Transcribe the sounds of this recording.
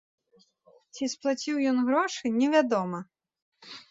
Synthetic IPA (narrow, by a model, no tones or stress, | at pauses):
t͡sʲisplˠat͡sʲiwjɔnɣɾɔʂɨnʲɛvʲad̪ɔmɐ